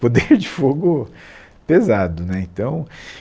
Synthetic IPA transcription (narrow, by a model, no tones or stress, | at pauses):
pod̪eɾd͡ʒɪfoɡʊ | pezad̪ʊnɛĩt̪ɐ̃w̃